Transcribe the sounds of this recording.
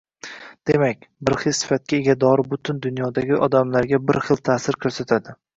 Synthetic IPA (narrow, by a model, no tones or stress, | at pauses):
d̪̥emakʲbɪɾχɪlsɪ̥fat̪̚kʲaeɡʲad̪ɒɾbʊt̪ʰɪnd̪ʊnjɒd̪aɡʲɪʔɒd̪amlaɾɡʲabɪɾχɨlˠt̪ʰaːsɪɾkʲʰɵɾsat̪ʰad̪ɪ